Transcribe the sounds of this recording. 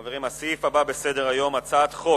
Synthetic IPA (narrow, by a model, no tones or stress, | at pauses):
veʁimasifababe̞se̞d̪eʁajo̞mat͡sat̪χo̞